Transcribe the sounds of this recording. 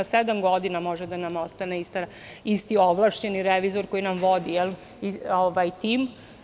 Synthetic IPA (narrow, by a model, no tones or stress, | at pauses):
ased̪amɡo̞d̪inamo̞ʒɛd̪anamo̞st̪aneist̪aist̪ioʋlˠaʃt͡ɕeniɾeʋizo̞ɾko̞jinamʋo̞d̪ijɛl | ioʋajt̪im